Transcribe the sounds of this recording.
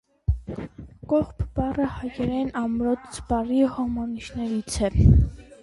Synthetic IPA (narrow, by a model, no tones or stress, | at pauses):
kɔχpʰbɑrəhɑjɛɾɛnɑmɾɔt̪t͡sbɑrihɔmɑniʃnɛɾit͡sʰɛ